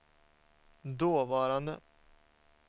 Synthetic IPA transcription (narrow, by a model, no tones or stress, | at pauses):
d̪oːvɑːɾand̪ə̰